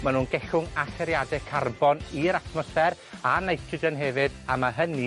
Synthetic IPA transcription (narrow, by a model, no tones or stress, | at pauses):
manuːnɡɛɬʊŋaɬɛɾjadɛkʰarbɔniɾatʰmɔsɛɾ | anajtʰrɪdənɦɛvɨdamaɦəni